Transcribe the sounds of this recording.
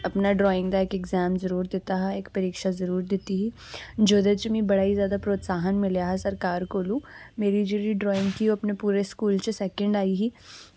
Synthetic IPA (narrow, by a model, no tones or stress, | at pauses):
ɐpnaɖɾɔːɪ̃ŋɡd̪aeːkeɡzɛːmzɐɾuːɾd̪eːt̪aɦɛeːkpɐɾiːkʃazɐɾuːɾd̪eːt̪iɦi | d͡ʒoːd̪et͡ʃmĩbɐɽaːizjaːd̪apɾoːt̪saːɦənmɪljaɦɛsɐɾkaːɾkoːlũmeːɾid͡ʒuːɾiɖɾɔːɪ̃ŋɡkioːɐpnepuːɾeskuːlt͡ʃəsɛːkə̃ɳɖaːiɦiː